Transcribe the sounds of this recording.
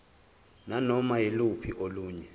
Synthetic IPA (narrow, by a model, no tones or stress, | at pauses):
nanɔmajilupʰiʔoluːɲɛ